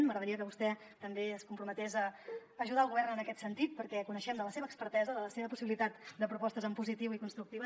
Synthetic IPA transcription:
nməɣɾəðəɾiəkəβust̪ɛ | t̪əmbeəskumpɾumət̪ezəːʒuðaəlˠɣuβɛrnənəkɛt̪sənt̪it̪̚pəɾkɛkunəʃɛmd̪ələseβəːkspəɾt̪ɛzəðələseβəpusiβilit̪at̪̚d̪əpɾupɔst̪əzəmpuzit̪iwikunst̪ɾuk̚t̪iβə

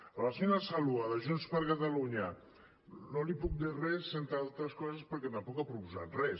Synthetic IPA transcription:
alafinasaluaðəʒunspəɾkat̪aluɲa | nolipuk̚d̪irɛsːent̪aalˠt̪ɾəskɔzəspəɾkɛt̪ampɔkapɾupuza̰t̪rɛ

